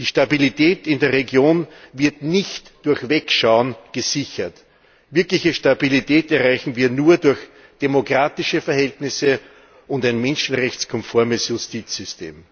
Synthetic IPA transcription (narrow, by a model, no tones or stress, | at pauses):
d̥iːʃtabilitʰɛːtɪndeːɐʁeɡjoːnvɪɐtnɪçtd̥ʊɐçvɛkʃaʊənɡ̥əzɪçɐt | vɪɐklɪçəʃtabilitʰɛːtɛɐʁaɪçn̩viːɐnuːɐdʊɐç | d̥emokʁ̥aːtɪʃəfɛɐhɛltnɪsə | ʊntaɪnmɛnʃn̩ʁɛçt͡skʰɔmfɔɐməsjʊstiːt͡sz̥ʏstʰḛːm